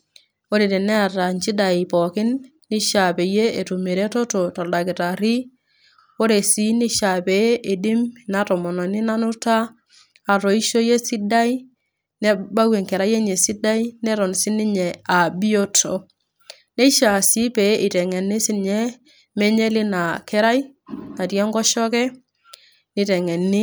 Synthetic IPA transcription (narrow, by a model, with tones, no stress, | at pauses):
o˦ɾi˨te˨ne˦a˨ɾa˨nt͡ʃi˦da˨i˨pɔ˨kɪ˦nː | i˦ʃa˨pe˨je˦e˨tu˨me˨ɾe˦to˦to˨ta˨lda˨kɪ˨ta˨ɾi˦ | o˦ɾe˨si˦ni˦ʃa˨pe˨˦ʔe˨di˦m˨na˨˦tɔ˨mɔ˨nɔ˨nɪ˦na˦nʊ˦taː˦˨ | ɾo˨i˦ʃo˦je˦sɪ˦da˦i˦ | ne˦ba˦we˨ŋkɛ˨ɾa˦je˦ɲe˨si˦da˦i˦nɛ˦ɾɔ˨nsɪ˦nɪ˦ɲɛ˨a˨bi˦o˦tʰo˨˦ | nɛ˦ʃa˨si˦pe˨˦ʔɪ˨tɛ˨ŋɛ˨ni˦sɪ˦ɲɛ˦ | mɛ˦ɲɛ˦lɪ˦na˨kɛ˦ɾa˦ji˦na˨tjɛ˦ŋɡɔ˦ʃɔ˦kɛ˦ | nɪ˨˦tɛ˨ŋɛ˨nːɪ˦